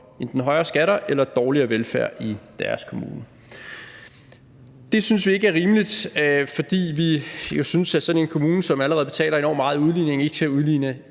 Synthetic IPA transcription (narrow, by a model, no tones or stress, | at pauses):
e̝nd̥enɦɒ̽ɪʁɐːsɡ̥æɾɐʔelɐd̥ɒːliɐːʋelfæɐ̰ʔid̥æɐskʰo̝mṵːnə | d̥e̝synsʋie̝ɡəæɐʁiːmlid̥fɒ̽d̥ḭːʋijosynsæsɒ̽ne̝nkʰo̝muːnəsɒ̽mæləʁɛð̩ˠb̥e̝t͡sʰɛ̰ːlɐe̝nɒ̰ːmɑ̈ːð̩ˠuð̞ˠline̝ŋe̝ɡ̥sʰeæuð̞ˠliːnə